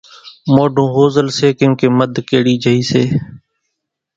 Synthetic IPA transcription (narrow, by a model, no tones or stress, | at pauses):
moːɖʱõːɦoːzəlseːkɪ̃keːməd̪ʱkeːɽiːd͡ʒʱəɦiːseː